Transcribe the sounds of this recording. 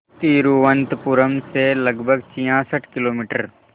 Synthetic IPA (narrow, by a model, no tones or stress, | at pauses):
t̪iːɾuʋə̃nt̪pʊɾəmselɐɡbʱəɡt͡ʃijãːsəʈʰkɪloːmiːʈəɾ